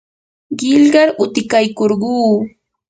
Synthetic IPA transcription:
ɢɪlɢɑɾʊt̪ɪkajkoɾɢuː

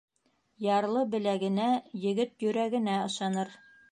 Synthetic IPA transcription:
jɑɾlˠɤbɘ̆læɡɘ̆næjɘ̆ɡɘt̪̚jɵ̆ɾæɡɘ̆næɤ̆ʃɑnɤɾ

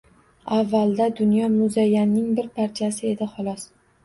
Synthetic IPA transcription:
avːalˠd̪ad̪ʊnjɒmʊzajːanːɪŋbɪɾpʰaɾt͡ʃʰasɪe̞d̪ɪχɒlˠɒs

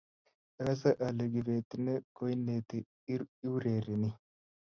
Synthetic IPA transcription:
ʔɐɐs̬ɐʔɐlɛɡɪbeːt̪ːɪnːɛkɔjnːeːt̪ɪ | ɪwɾeːɾɪnɪ

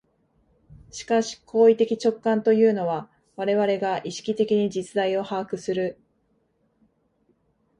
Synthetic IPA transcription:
ɕi̥kaɕi̥kʰo̞ːit̪e̞kʲit͡ɕo̞kːãnt̪o̞jɯ̟ːno̞βa | βaɾe̞βaɾe̞ɡaʔiɕi̥kʲit̪e̞kʲiɲ̟id͡ʑit͡sɨd̪aio̞haːkɯ̟sɨɾɯ̟

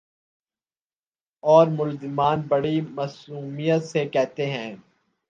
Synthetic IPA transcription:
ɔːɾmʊlzɪmaːnbɐɽimɐsuːmijət̪sekɛɦt̪eɦɛ̃ː

